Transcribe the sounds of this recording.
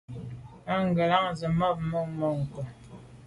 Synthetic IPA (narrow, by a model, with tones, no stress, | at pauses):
a˦ŋ˦˨ɡə˨la˦ŋzə˨ma˦˨p̚mə˦ŋmə˦˨ŋ̩˨kə˨